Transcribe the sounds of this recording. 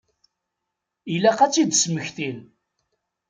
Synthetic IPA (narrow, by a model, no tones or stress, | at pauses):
ilæqæt͡sːid̪sməçθil